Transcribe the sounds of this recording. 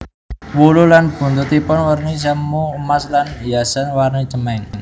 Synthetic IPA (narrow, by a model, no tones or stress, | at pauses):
wululanb̥ṳnt̪ut̪ipɔnwarnis̬amːuəmaslanijasanwarnit͡ʃəmɛŋ